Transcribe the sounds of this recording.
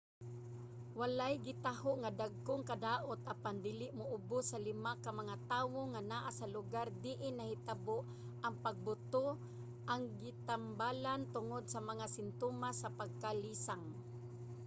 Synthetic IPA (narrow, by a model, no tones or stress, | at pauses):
walajɡɪt̪aɦoʔŋad̪aɡ̚kʊŋkad̪aːʔʊt̪ʔapand̪iːlɪʔmʊʔʊbʊsːalɪmakamaŋat̪aːwoŋanaʔasalʊɡaɾd̪ɪʔɪnahɪt̪aboʔ | ʔaŋpaɡ̚bʊt̪o | ʔaŋɡɪt̪ambalant̪ʊŋod̪̚samaŋasɪnt̪oːmasapaɡ̚kaliːsaŋ